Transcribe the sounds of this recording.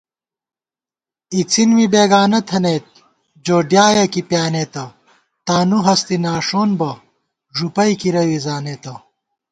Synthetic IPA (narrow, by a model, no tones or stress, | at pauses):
it͡sinwibeːɡaːnɐt̪ʰɐneːt̪̚ | d͡ʑoːɖjaːjɐkipjaːnet̪ɐ | t̪aːnuɦɐst̪inaːʂoːnbɐ | ʐupɐjkiɾɐwizaːnet̪ɐ